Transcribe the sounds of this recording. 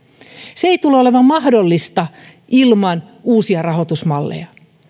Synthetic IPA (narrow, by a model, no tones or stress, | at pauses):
seejt̪uleolemɑmmɑhdolːist̪ɑ | ʔilmɑnuːsiɑrɑɦo̞t̪usmɑlːḛjɑ